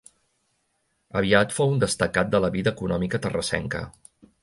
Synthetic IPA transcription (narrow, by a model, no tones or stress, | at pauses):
əβiat̪fowund̪əst̪əkat̪̚d̪ələβiðəːkunɔmikət̪ərəsɛ̰ŋkə̰